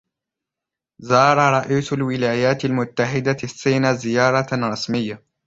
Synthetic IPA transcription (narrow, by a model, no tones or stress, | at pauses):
zɑːɾˤɑɾˤɑʔiːsʊlwɪlaːjaːt̪almʊt̪ːaħɪd̪asːiːnazɪjɑːɾˤɑɾˤɑsmɪjːa